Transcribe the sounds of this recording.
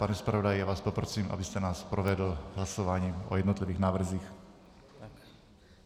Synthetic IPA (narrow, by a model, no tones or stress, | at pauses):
panɛspɾavodajjaːvaːspopɾosiːmʔa̰bɪst̪ɛnaːspɾovɛdl̩ɦlasovaːɲiːʔo̰jɛdnot̪lɪviːɣnaːvr̩ziːx